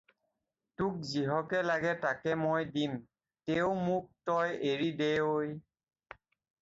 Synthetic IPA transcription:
tuk̚ziɦɔkɛlaɡɛtakɛmojdim | teʊmuk̚tɔjʔeɹidejoj

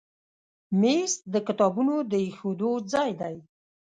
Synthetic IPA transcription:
mest̪̚d̪əkɪt̪ɑbunod̪əexod̪od͡zɑjd̪aj

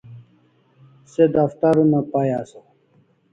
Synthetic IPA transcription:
sed̪ɐft̪aɾunɐpajaːsa

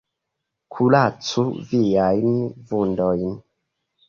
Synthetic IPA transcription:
kʰulat͡suvijajnvundɔjn

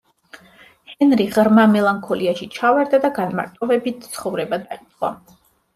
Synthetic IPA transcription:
hɛnɾiʁɾmamɛlˠaŋkʰɔliaʃit͡ʃʰavaɾd̪ad̪aɡanma̰ɾt̪ʼɔvɛbit̪̚ʰt̪sʰχɔvɾɛbad̪ait̪ʼqʼwa̰

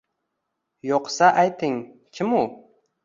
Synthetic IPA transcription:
joqsaʔajt̪ʰɪŋkʲʰɪmʊ

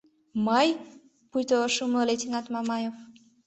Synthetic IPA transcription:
maj | pujt̪oʃumlolet̪inat̪mamajof

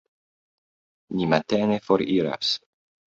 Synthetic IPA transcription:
nimat̪enefoɾiɾa̰s

